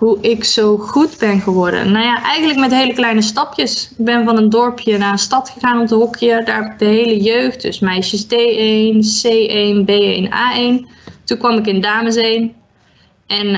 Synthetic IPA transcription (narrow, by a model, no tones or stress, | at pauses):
ɦuʔɪksowχudbɛnχəʋɔɹdə̰nːawjaʔɛjɣənləkmɛtɦeːləklɛjnəstɑpjəsɪɡ̚bɛnvɑnəndɔɹpʰjənaːənstɑtχəɣaːnɔpdəɦɔkʰiəɹdaːɪk̚dəɦejləjøɥχt̚dʏ̰smɛjʃəsdejejnsejʔenbejena̰ːejn | tukʋɑmɪk̬ɪndaːməs̬ejn | ɛn